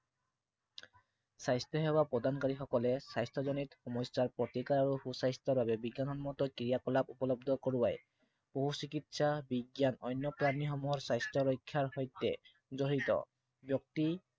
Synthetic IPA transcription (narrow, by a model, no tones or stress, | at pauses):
sajstɔɦewapɔdankaɹixɔkɔlɛsajstɔzɔnitxɔmɔjsaɹpɹɔtikaɹaɹuhusajstɔɹbabɛbiɡanɦɔnmɔt̪ɔkɹijakɔlapupɔlɔb̚d̪ʱɔkɔɹuwaj | b̥oɦusikitsabiɡjanɔjnjɔpɹanixɔmuɦɔɹsajstɹɔɹɔjkʰːjaɹhɔjtːɛ̰ | zɔɹitɔ̰ | bjɔk̚ti